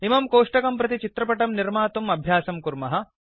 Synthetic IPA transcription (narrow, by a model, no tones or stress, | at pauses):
imɐmkoːʂʈɐkɐmpɾɐt̪it͡ʃit̪ɾɐpɐʈɐmniɾmaːt̪umɐbʱjaːsɐmkuɾmɐɦɐ̆